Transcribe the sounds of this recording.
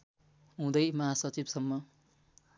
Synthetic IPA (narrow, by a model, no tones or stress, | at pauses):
ɦũd̪ʌjmʌɦasʌt͡sibsʌmːʌ